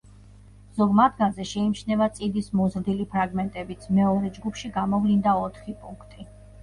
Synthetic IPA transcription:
z̥ɔɡmad̪ɡanzɛʃɛimt͡ʃʰnɛvat̪sʼid̪ismɔzɾd̪ilipʰɾaɡmɛnt̪ʼɛbit̪sʰmɛɔɾɛd͡ʒɡupʰʃiɡamɔvlind̪aɔt̪ʰχipʼuŋkʰt̪ʼi

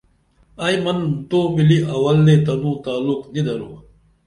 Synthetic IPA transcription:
ɐjmɐnt̪oːmiliʔɐwɐld̪et̪ɐnũːt̪aːlːuknid̪ɐɾoː

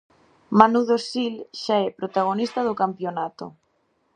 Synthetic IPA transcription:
manuðosilʃaɛpɾot̪aɣ̞onist̪aðokampjonat̪o̰

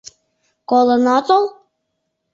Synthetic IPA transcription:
kolˠɤnɑt̪olˠ

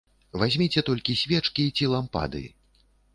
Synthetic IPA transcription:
vazʲmʲit͡sʲɛt̪ɔlʲkʲisʲvʲɛt͡ʂkʲit͡sʲilˠampa̰d̪ɨ̰

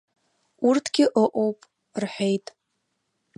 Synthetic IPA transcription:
urtʰɡʲɪʔoʔʼowpʼ | rħʷᶣejtʼ

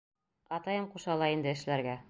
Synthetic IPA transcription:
ɑt̪ɑjɤmquʃɑlˠɑind̪ɘ̆ɘ̆ʃlæɾɡæ

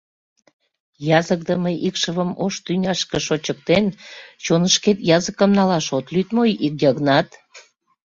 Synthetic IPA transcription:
jɑzək̚d̪əməjʔikʃəβəmoʃt̪ynʲɑʃkəʃot͡ɕək̚t̪ent͡ɕonəʃket̪jɑzəkəmnɑlɑʃot̪lyt̪mojik̚jɑɣnɑt̪

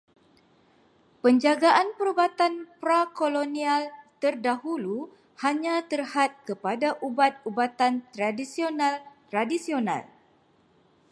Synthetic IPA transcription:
pəɲd͡ʒaɡaʔanpəɾubat̪anpɾakolonialt̪ərdahulu | haɲãt̪ərhat̪̚kəpadaʔubat̪̚ubat̪ant̪ɾadisionalt̪ɾadisiona̰l

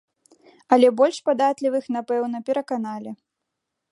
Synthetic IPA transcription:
ɐlʲɛbɔlʲʂpad̪at̪lʲivɨxn̪apɛwnɐpʲɛɾɐkanalʲi

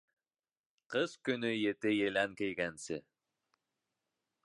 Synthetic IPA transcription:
qɤz̥kɵnɵjet̪ɪjelæŋkejɡænsɪ

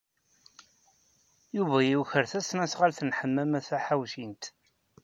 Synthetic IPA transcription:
juvæjiwçəɾθæsnæsʁalθənħəmːæmæθæħawʃint̪

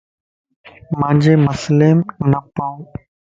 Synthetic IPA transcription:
mãːɲd͡ʒeːməsleːmnəpaːũː

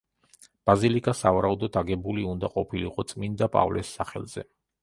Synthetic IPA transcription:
b̥azilikʼasavaɾaud̪ɔd̪ʰaɡɛbuliund̪aqʼɔpʰilḭqʼɔt̪sʼmind̪apʼa̰vlʔɛsːaχɛ̰lˠz̥ɛ̰

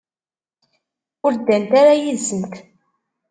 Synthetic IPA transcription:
ʊɾd̪ːænt̪aɾajizːənt̪

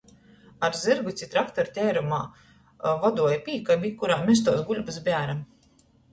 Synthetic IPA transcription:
aɾzɨɾɡut̪sʲit̪ɾakt̪ɔɾt̪ʲɛːɾuma̰ː | vɔd̪uɔjpʲiːkabʲikːuɾaːmʲɛs̬t̪uɔsɡulʲbɨsbʲæːɾam

